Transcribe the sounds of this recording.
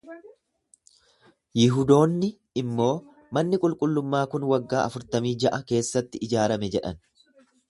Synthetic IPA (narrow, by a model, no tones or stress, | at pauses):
jɪɦʊd̪o̞ːnːɪ | ɪmːo̞ː | mɐnːɪkʼʊlkʼʊlːʊmːaːkʊnwɐɡːaːʔɐfʊɾt̪ɐmiːd͡ʒɐʔɐke̞ːsːɐt̪ːɪɪd͡ʒaːɾɐmɛd͡ʒɛᶑɐ̰n